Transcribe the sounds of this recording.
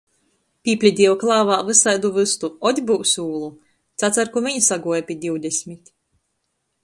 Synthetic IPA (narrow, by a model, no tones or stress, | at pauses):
pʲiːpʲlʲid̪ʲiɛwklˠaːvaːvɨsajd̪uvɨst̪uɔd̪ʲbuwsuːlˠu | t̪sat̪saɾkuviɲsaɡuɔjapʲid̪ʲiwd̪ʲesʲmʲit̪ʲ